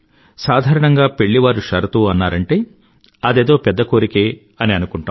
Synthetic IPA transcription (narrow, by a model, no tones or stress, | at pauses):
saːd̪ʱaːɾɐɳɐŋɡaːpe̞ɭːiʋaːɾuʂɐɾɐt̪uːɐnːaːɾɐɳʈe̞ː | ɐd̪e̞ːd̪o̞ːpɛd̪ːɐkoːɾikeː | ɐniɐnukuɳʈaː